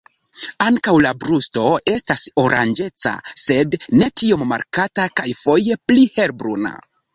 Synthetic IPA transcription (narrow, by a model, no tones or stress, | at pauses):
aŋkawlabɾusto̞e̞staso̞ɾʔa̰nd͡ʒe̞t͡sa̰se̞dne̞tio̞mːa̰ɾkatakajfo̞je̞plihe̞ɾbɾuna̰